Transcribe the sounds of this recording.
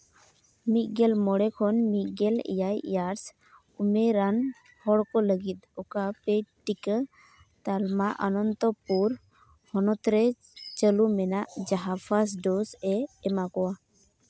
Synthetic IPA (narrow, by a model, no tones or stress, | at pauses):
mit̚ɡɛlmɔɽɛkʰɔnmit̪̚ɡɛlɛ̰jajjaɾs | umeɾan | hɔɽkɔləɡit̪̚ɔkapeʈikə | t̪almaʔənɔnt̪ɔpuɾ | hɔnɔt̪ɾɛ | t͡ʃəlumɛnaʔd͡ʒaɦapʰas̬ɖɔsɛːmakɔwa